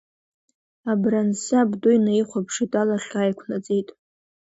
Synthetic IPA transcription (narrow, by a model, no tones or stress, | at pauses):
abransɨabdʊjnaiχʷapʰʂitʼalaχʲaːjkʷʰnat͡sʼejtʼ